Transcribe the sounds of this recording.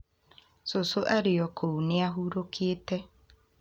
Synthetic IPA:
sosoʔaɾeɔkʰouneaɦuɾokʰietɛ

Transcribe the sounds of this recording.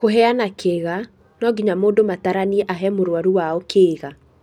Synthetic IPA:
koɦɛanakʰeɣa | nɔɡiɲamoːndomataɾaniɛʔaɦɛmoɾwaɾuwaɔkʰeːɣa

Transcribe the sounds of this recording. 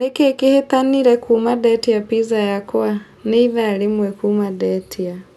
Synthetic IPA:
nekekihet̪aniɾɛkʰumadɛtiapizajakwa | niiðaːlimwɛkumadɛtʰia

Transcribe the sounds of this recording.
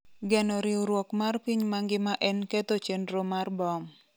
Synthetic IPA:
ɡɛnɔɾɪuɾwɔkmarpiɲmaŋɡɪmaʔɛnkɛt̪ot͡ʃendɾomarbɔm

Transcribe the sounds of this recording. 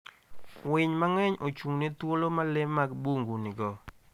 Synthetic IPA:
wɪɲmaŋɛɲʔot͡ʃuŋnit̪wolomalɪmːaɡbuŋɡunɪɡɔ

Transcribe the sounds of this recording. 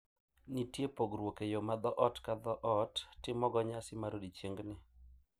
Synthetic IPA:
nitjepoɡɾwokejomad̪ɔʔɔtkad̪ɔʔɔtːɪmɔɡɔɲasɪmaɾodit͡ʃeŋɡnɪ

